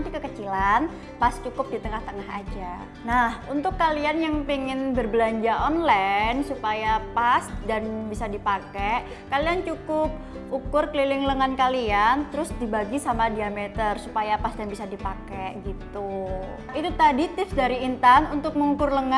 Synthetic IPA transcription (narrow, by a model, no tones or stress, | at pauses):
np̪ikəkət͡ʃilan | past͡ʃukʊp̚dit̪əŋaht̪əŋaɦa̰d͡ʒa | nahunt̪ʊkːalianjaŋpiŋɪnbərbəlaɲd͡ʒaʔɔnlansupajapasdanbisadipakɛʔ | kaliant͡ʃukʊp̚ | ukʊrkəlilɪŋləŋankaliant̪əɾʊsdibaɡisamadiamet̪ərsupajapasdanbisadipakɛɡit̪u | it̪ut̪adit̪ɪfsdaɾiːnt̪anunt̪ʊk̚məŋukʊrləŋa